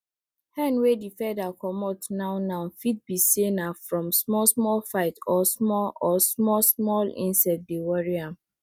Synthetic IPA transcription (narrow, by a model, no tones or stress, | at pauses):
hɛ̃nwedifɛdakʰɔmɔtnãʊnãnfit̚bisenafɹɔ̃msmɔlsmɔlfaɪtɔsmɔlɔsmɔsmɔlḭ̃nsɛt̚bewɔɹiãm